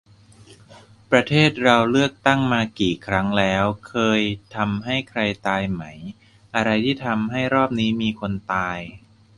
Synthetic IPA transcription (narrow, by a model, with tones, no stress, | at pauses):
pɾa˧t̪ʰeː˥˩t̪̚ɾa˧wlɯ˥˩ək̚t̪a˥˩ŋmaː˧kiː˨˩kʰɾa˦˥ŋlɛː˦˥wkʰɤː˧jt̪ʰa˧mɦa˥˩jkʰɾa˧jt̪aː˧jma˦˥j | ʔa˧ɾa˧jt̪ʰiː˥˩t̪ʰa˧mɦa˥˩jɾɔː˥˩p̚niː˦˥miː˧kʰo˧nt̪aː˧j